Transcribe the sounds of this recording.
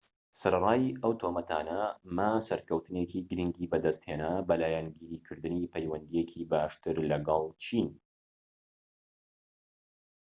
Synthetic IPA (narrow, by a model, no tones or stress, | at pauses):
sɐɾɐrˤaːjɐwt̪ʰoːmɐt̪ʰa̰ːnɐmasɐɾkɐwt̪ɨnekiɡɨɾiŋɡibɐd̪ɐst̪heːnabɐlaːjɛnɡiːɾiːkʰɨɾd̪ɨniːpʰɛjwɐnd̪ijekʰiːbaːʃt̪ɨɾlɐɡɑlˠt͡ʃʰin